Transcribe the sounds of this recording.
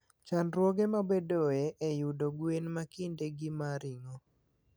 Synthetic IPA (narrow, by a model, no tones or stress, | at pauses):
t͡ʃanɾwɔɡemabedoeʔejudoɡwenmakɪndeɡimaɾɪŋo